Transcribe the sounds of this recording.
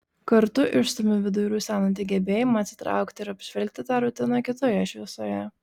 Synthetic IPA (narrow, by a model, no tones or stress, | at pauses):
kɐɾt̪ʊʔɪʃst̪ʊmʲɪʋʲɪd̪ʊɾʲuːsʲæːnɐnt̪ʲiːɡʲɛbʲeːjɪmɐːt̪sʲɪ̥t̪ɾɑ̰ˑʊkt̪ʲɪɪɾɐpʲʒ̥ʲʋʲɛlʲk̚ʲt̪ʲɪt̪ɑːɾʊt̪ʲɪnɐkʲɪt̪oːjɛɪʃʲʋʲɪsoːjɛ